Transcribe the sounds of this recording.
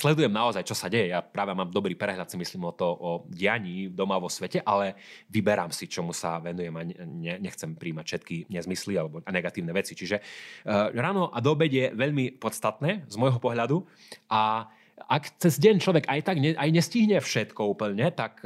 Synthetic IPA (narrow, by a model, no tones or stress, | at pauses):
slɛd̪ujɛmnaɔzajt͡ʃɔsaɟɛjɛjapɾaːʋɛmaːmd̪ɔbɾiːpɾɛɦʎat̪simisliːmɔt̪ɔʔɔɟɪaɲiːd̪ɔmaʋɔsʋɛcɛʔalɛʋibɛɾaːmsit͡ʃɔmusa̰ʋɛnujɛmaɲɛɲɛxt͡sɛmpɾiːmacfʃɛt̪kiɲɛzmislialɛbɔaɲɛɡat̪iːʊnɛʋɛt͡sit͡ʃiʒɛ | ɾaːnɔʔad̪ɔːbɛɟjɛʋɛʎmipɔt̪st̪at̪nɛːzmɔjɦɔpɔɦʎad̪u | ʔa | akt͡sɛzɟɛnt͡ʃlɔʋɛɡajt̪aɡɲɛʔajɲɛsciɦɲɛfʃɛt̪kɔuːpl̩ɲɛt̪ak